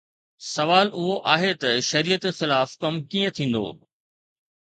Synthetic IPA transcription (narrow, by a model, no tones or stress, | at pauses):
sɐʋaːlʊɦoʔaːɦet̪ɐʃɐɾiːjət̪xɪlaːfkɐmkĩːə̃t̪ʰĩːn̆d̪o̰ː